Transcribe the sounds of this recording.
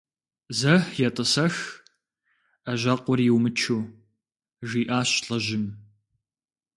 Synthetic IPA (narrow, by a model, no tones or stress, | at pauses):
zɐħjɛtʼɨsɐx | ɐʒɐqʷʊrjɪwmɨt͡ʃʰuː | ʒiːʔaːɕɬʼɐʑɪm